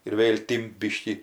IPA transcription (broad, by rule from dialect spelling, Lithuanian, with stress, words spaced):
ɪr ˈʋʲeːlʲ ˈtʲɪmt ˈbʲiːʃʲkʲiː